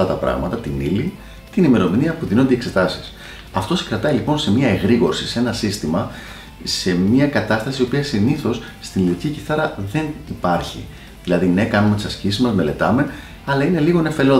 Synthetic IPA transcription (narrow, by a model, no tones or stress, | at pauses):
ɐt̪ɐpɾɐ̰ɣmɐt̪ɐt̪inili | t̪inime̞ɾo̞miniɐpuðinond̪ekse̞t̪ɐsi̥s | ɐft̪o̞si̥kɾɐt̪ɐilipo̞nse̞miɐe̞ɣɾiɣo̞ɾsisee̞nɐsist̪imɐ | se̞miɐkɐt̪ɐst̪ɐsio̞piɐsiniθo̞sːt̪inliiciciθɐɾɐðe̞nipɐɾçi | ðilɐðine̞kɐnumet̪isɐscisizmɐzme̞le̞t̪ɐme̞ | ɐlɐine̞liɣo̞ne̞fe̞leo